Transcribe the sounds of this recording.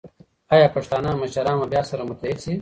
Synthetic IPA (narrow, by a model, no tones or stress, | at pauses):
ajaːpɐʂt̪aːnamɐʃɐɾaːmɐbjaːsɐɾɐmʊt̪lid̪si